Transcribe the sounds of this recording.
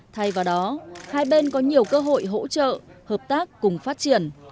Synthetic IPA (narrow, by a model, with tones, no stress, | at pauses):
t̪ʰa˧jvaː˨˩wɗɔ˨˦haː˧jɓe˧nkɔ˨˦ɲi˨˩əwkəː˧ɦo̰˧˨jɦo̰˧˥t͡ɕə̰ː˧˨həː˨˩p̚t̪aː˦˥kːʊ˨˩ŋ͡mfaː˦˥t̚t͡ɕi˧˩ən